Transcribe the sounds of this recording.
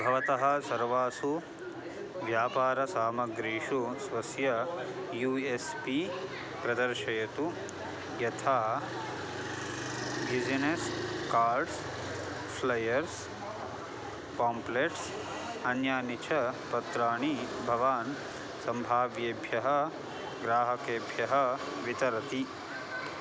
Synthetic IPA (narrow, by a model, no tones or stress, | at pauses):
bʱɐʋɐt̪ɐɦɐ̆sɐɾʋaːsu | ʋjaːpaːɾɐsaːmɐɡɾiːʂusʋɐsjɐjuːespi | pɾɐd̪ɐɾʃɐjɐt̪u | jɐt̪ʰaː | bid͡ʒineskaːɾɖs | pʰlɐjɐɾs | paːmpleʈs | ɐnjaːnit͡ʃʰɐpɐt̪ɾaːɳibʱɐʋaːn | sɐmbʱaːʋjeːbʱjɐɦɐ̆ | ɡɾaːɦɐkeːbʱjɐɦɐ̆ | ʋit̪ɐɾɐt̪i